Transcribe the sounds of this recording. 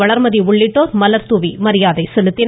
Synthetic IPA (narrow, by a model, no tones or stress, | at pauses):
ɐɭɐɾmɐðiʊɭːɪʈːoːɾmɐlɐɾt̪uʋimɐɾɪjaːðɐɪsɛlɯt̪ːɪn